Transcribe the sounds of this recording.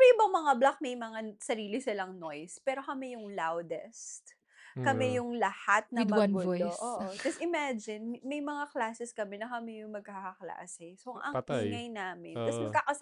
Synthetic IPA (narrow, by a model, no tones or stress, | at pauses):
mɛʔɪbɐŋmɐŋablak̚mɛjmɐŋasɐɾiːlɪsɪlɐŋnojspɛːɾo̞kɐmɛjʊŋlawd̪ɛst̪ | kɐmɛjʊŋlɐhat̪̚nɐd̪mɐɐnɡʊjʔoːʔod͡ʒɐsɪmad͡ʒɪnmɛjmɐŋaklaːsɛskɐmɛnɐkɐmɛjʊŋmɐɡ̚kaːkɐkla̰ːsɛsoʔɐŋt̪ːŋɐjnaːmɪnɐsmɐɡ̚kaːkɐs